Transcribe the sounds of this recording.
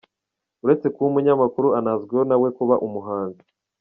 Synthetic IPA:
uɾe̞t͡se̞kuumuɲamakuɾuanazɡwehonawe̞kuβaʔumuɦaːnzi

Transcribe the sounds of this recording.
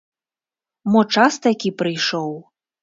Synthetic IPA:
mɔt͡ʂast̪akʲipɾɨjʂɔw

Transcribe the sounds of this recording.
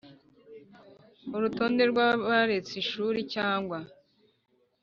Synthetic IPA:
uɾuto̞ːnde̞ɾɡwaβaɾet͡siʃuːɾicaːŋɡwa

